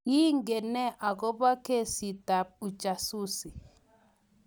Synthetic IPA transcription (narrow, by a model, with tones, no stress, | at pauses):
ji˦ŋ˦ɡe˨nɛ˦ʔa˨ɡɔ˦ba˦ke˦si˨ta˨p̚u˨t͡ʃa˨su˦si˨